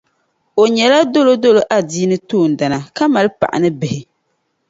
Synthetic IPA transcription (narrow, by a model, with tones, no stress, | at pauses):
o˨ɲɛ˨la˦do˦lo˦do˦lo˨ʔa˦˨diː˦nɨ˦toː˦˨n̩˨da˨na˨ka˦ma˨lɨ˦pa̰˨ʔa̰˨nɨ˦bɪ˨hɪ˨